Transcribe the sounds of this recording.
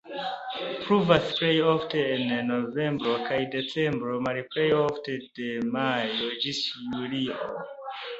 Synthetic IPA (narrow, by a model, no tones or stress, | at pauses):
pɹuvaspɾejɔfteinnovẽmbɾokʰajdesẽmbɾomaɾipɾejɔftedemajod͡ʒisjulio